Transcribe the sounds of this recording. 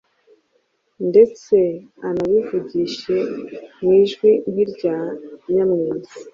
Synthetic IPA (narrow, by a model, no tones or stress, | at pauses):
nde̞t͡se̞ | anaβivuɟiʃe̞mwiːʒɡwin̥hiɾɟaːɲamɲiːzi